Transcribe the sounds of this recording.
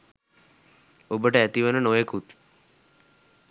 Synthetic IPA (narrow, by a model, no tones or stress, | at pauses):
obəʈəæt̪iʋənənoʋekut̪